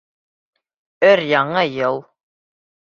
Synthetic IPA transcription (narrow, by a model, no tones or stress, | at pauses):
ɵɾjɑɴɤjɤlˠ